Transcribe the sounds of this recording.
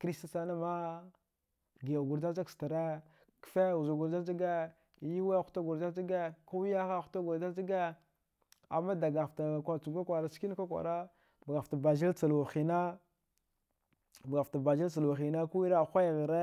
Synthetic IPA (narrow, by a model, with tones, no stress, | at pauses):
kɾi˦sta˦sa˦na˦ma˦ | ɡi˨a˨ɡu˨ɾda˦za˦ksta˨ɾe˦ | kfe˦˨u˨zu˨ɡu˨ɾda˦d͡ʒi˦ɡe˦˨ | ji˦we˦˨xu̥˦ta˦ɡu˨ɾda˦d͡ʒi˦ɡe˦ka˦wi˦ja˦xa˦˨xta˦ɡu˨ɾda˦d͡ʒi˦ɡe˦ | a̰˨mːa˦da˨ɡa˨fta˨kʷa˨t͡su˨ɡa˦kʷa˨ɾa˨ski˦n˦ka˦kʷa̰˨ɾa˦ | bɡa˨fta˨ba˨d͡ʒi˦lt͡sa˨lwa˨xi˨na˦ | ba˨fta˨ba˨d͡ʒi˦lt͡sa˨la˨xi˨na˦ku˦i˦ɾa˦˨xʷa˦jɣə˨ɾe˦